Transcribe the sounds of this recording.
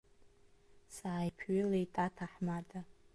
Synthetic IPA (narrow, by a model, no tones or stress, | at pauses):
saːjpʰɥilejtʼatʰaħmadʰʼa